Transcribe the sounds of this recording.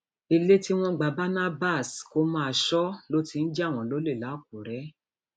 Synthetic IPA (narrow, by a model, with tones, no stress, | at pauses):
i˧le˦ti˦w̃ɔ̃˦ɡ͡ba˨ba˦na˦ba˦˨sko˧˦mã˦a˧˨ʃɔ˦lo˦ti˧n̩˦d͡ʒɛ˦˨w̃ɔ̃˨lo˨˦le˦˨la˨˦˨k̚u˨ɾɛ˨˦